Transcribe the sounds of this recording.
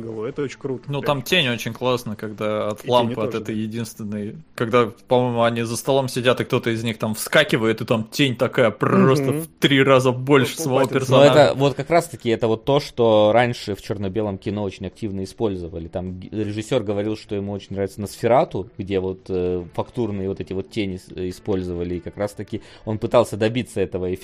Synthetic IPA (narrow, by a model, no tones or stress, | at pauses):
ɡ̪kɾut̪nut̪amtʲenʲo̞t͡ɕɪnʲklˠasnəkɐɡd̪aɐt̪llˠamppɨɐt̪ɛt̪əjjɪdʲinst̪vʲɪnːəjkɐɡd̪apɐmo̞jmʊɐnʲizəst̪ɐlˠo̞msʲɪdʲat̪ɨk̚t̪o̞t̪əɪzʲnʲixt̪amfskakʲɪvəjɪt̪ɨt̪amtʲenʲt̪ɐkajəpɾɐɾost̪əft̪ɾʲiɾazəbo̞lʲʂɨ̥səvɐvopʲɪrsɐnoɛt̪əvo̞t̪kɐkɾast̪əkʲɪɛt̪əvo̞t̪ːo̞ʂt̪o̞ɾanʲʂɨft͡ɕornəbʲe̞lˠəmkʲɪno̞ot͡ɕɪnʲɐk̚tʲivnəɪspo̞lʲzəvəlʲɪt̪amʲɾʲɪʐɨsʲːo̞rɡəvɐɾʲilˠʂt̪o̞jɪmuo̞t͡ɕɪnʲɾavʲɪt̪sənəsfʲɪɾat̪ʊɡdʲe̞vo̞t̪əfɐkt̪urnɨjəvo̞t̪ɛtʲɪvo̞t̪tʲenʲɪɪspo̞lʲzɨvəlʲɪːkɐkɾast̪ɐkʲɪ | o̞npɨt̪alˠsʲəd̪ɐbʲit̪sːəɛt̪əvəɪ